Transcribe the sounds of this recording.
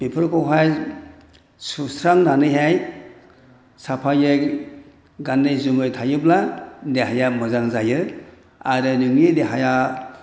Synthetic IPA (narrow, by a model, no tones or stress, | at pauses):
b̥ipʰɯɾkʰɔwɦaj | susɾaŋnanɯjɦaj | sapʰajɯ | ɡanːɯjzumɯjtʰajɯbladeɦajamɯzaŋzajɯ | aɾɯnɯŋnideɦaja